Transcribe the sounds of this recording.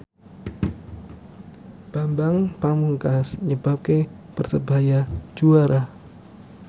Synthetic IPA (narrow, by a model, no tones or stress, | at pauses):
b̥ambaŋpamuŋkasɲəbap̚ke | pərsəbajad͡ʒuaɾʔa